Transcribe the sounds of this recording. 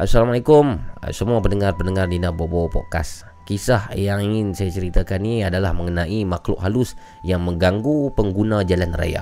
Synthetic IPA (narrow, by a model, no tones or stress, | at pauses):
ʔasalamalakʊm̰səmuapənəŋarpəndəŋardinabobopɔ̰ʔka̰s | kisahjaŋiŋɪnsajat͡ʃəɾit̪akaniadalahməŋənãʔimaklʊ̰ʔɦalʊs | jaŋməŋɡaŋɡupəŋɡunãd͡ʒalanra̰ja̰